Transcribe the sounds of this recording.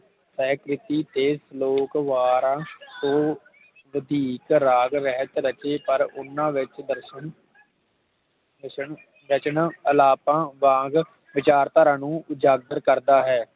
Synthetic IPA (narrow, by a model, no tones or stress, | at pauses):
sɛːkɾɪt̪iːt̪eːsloːkʋaːɾãːsõː | ʋəd̪iːkɾaːɡɾɛɦət̪ɾət͡ʃeːpəɾʊnːãːʋɪt͡ʃd̪əɾʃən | əʃən | ɾət͡ʃənəlaːpãːʋãːɡ | ʋɪt͡ʃaːɾt̪aːɾãːnũːʊd͡ʒaːɡ̚d̪əɾkəɾd̪aːɦɛː